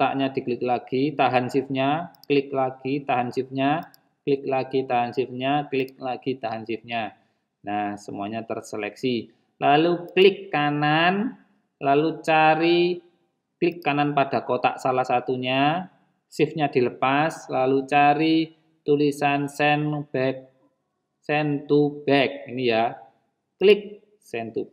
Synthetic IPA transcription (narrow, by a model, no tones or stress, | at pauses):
t̪aʔɲad̪̥i̤klɪk̚laɡ̥it̪aɦansɪfɲaklɪk̚laɡ̥it̪aɦansɪfɲa | klɪk̚laɡ̥it̪aɦansɪfɲaklɪk̚laɡ̥it̪aɦansɪfɲa | nahsəmuaɲat̪ərselɛ̰ksi | laluklɪkːanan | lalut͡ʃaɾi | klɪkːananpad̥a̤kot̪a̰ʔsalahsat̪uɲa | sɪfɲad̪̥i̤ləpaslalut͡ʃaɾi | t̪ulisansɛnb̥ɛk̚ | sɛnt̪ub̥ɛk̚inija | klɪk̚ | sɛnt̪u